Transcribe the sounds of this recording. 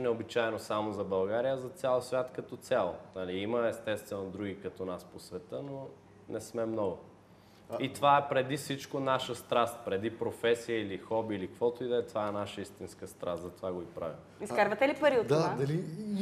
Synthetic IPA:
nɛobit͡ʃaɛnosamozɐbɐlˠɡaɾijəzɐt̪sʲjalˠəsvʲjat̪kɐt̪ɔt̪sʲalˠo̰nɐliiməɛst̪ɛst̪vɛnod̪ɾuɡʲikɐt̪ɔnasposvɛt̪əno | nɛsmɛmnɔɡʊ | it̪ovaɛpɾɛd̪isit͡ʃkonaʃəst̪ɾast̪̚pɾɛd̪ipɾofɛsijəilixɔbilikkvɔt̪ʊid̪ɛɛt̪ovaɛnaʃəist̪inskəst̪ɾast̪zɐt̪ovaɡoipɾa̰vimiskaɾvət̪ɛlipɐɾiot̪d̪ad̪ɐli

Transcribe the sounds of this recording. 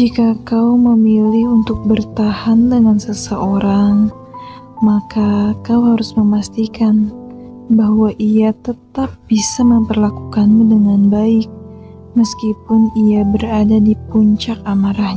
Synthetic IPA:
d͡ʒikakawməmilɪhunt̪ʊk̚bərt̪ahandəŋansəsəʔoɾaŋ | makakawɦaɾʊsməmast̪ikan | bahwaʔijat̪ət̪ap̚b̥isaməmpərlakukanmudəŋanbaɪk̚ | məskipʊnijabəɾadadipuɲt͡ʃak̚amaɾahɲ

